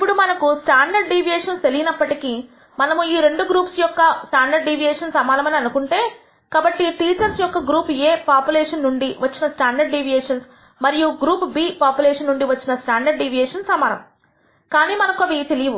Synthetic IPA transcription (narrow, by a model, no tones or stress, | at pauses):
ipːuɽumɐnɐkusʈaːɳɖɐɾɖɖiːʋijeːʂɐnst̪elijinɐpːɐʈikiː | mɐnɐmuiːɾe̞ɳɖuɡɾuːpsjɔkːɐsʈaːɳɖɐɾɖɖiːʋijɛːʂɐnsɐmaːlɐmɐniɐnukuɳʈeː | kaːbɐʈːiʈiːt͡ʃɐɾsjɔkːɐɡɾuːpeːpaːpjulɛːʂɐnːuɳɖiʋɐt͡ʃːinɐsʈaːɳɖɐɾɖɖiːʋijɛːʂɐns | mɐɾijuɡɾuːpbiːpaːpjulɛːʂɐnːuɳɖiʋɐt͡ʃːinɐsʈaːɳɖɐɾɖɖiʋijɛːʂɐnsɐmaːnɐ̰m | kaːniːmɐnɐkɐʋit̪elijɐʋu